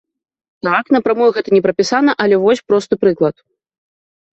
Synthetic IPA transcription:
t̪akn̪ɐpɾamɔjuɣɛt̪ɐnʲɛpɾɐpʲisanɐʔɐlʲɛvɔsʲpɾɔst̪ɨpɾɨklˠɐt̪̚

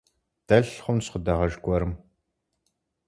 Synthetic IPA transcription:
d̥ɐɬχʷʊmsχədɐʁɐʒɡʷʼɔɾɨm

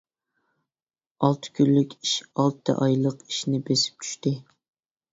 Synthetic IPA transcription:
ɑlˠt̪ʰɨ̥kʲʰylːykʲiʃɑlˠt̪ʰːɨ̰ʔɑjlˠəqi̥ʃnɪbesɪ̥p̚t͡ʃʰy̥ʃt̪ɪ

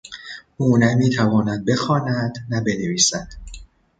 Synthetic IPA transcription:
ʔuːnæmiːt̪ʰævɒːnæd̪̚be̞xɒːnæd̪̥næbe̞neviːsæd̪̥

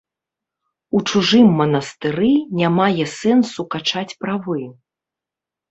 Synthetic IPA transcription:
ut͡ʂuʐɨmːɐnɐst̪ɨɾɨnʲamajɛsɛnsukat͡ʂat͡sʲpɾavɨ

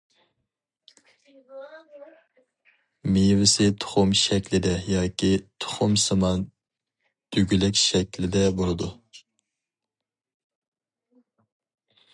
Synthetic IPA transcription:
mejvɪsɪt̪ʰʊ̥χʊmʃɛkʲlɪd̪ɛjɑːkʲʰit̪ʰʊ̥χʊmsɨmɑn | d̪̥yɡʲylɛkʲʃɛkʲlɪd̪ɛbolˠɨd̪u

